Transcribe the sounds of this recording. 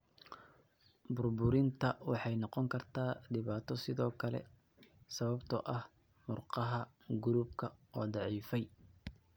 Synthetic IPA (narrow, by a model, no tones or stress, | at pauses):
bʊrbʊɾɪnt̪ʰɐwɑħɑjnɔqɔŋkʰɐrt̪ʰaːɖɪβaːt̪ʰɔsɪðɔːkʰɐlɛ̰ | sɐβɐbt̪ʰɔʔɐh | mʊrqɑɦɐ | ɡʊɾuːbkʰɐɔːd̪ɑʕiːfɛj